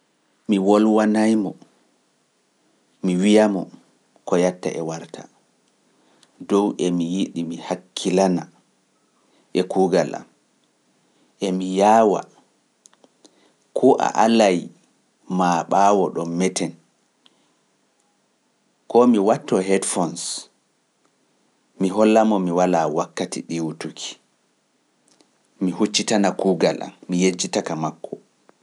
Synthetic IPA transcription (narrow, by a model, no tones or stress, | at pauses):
miwɔlwanajmɔ | miwijamɔ | kɔjatːa̰ʔɛwaɾtʰḁ̰ | dɔwʔɛmijiɗimihakʰːilana | ʔɛkuɡala̰m | ʔɛmijawa̰ | kʰɔʔa̰ʔalaj | maɓaːwɔɗɔmːɛtɛn | kɔmiwatːɔɦɛdfɔns | miɦɔlːamɔmiwalawakːatḭɗiwutukʰi̥ | mihut͡ʃːitanakuɡala̰mmijed͡ʒːitakamakːɔ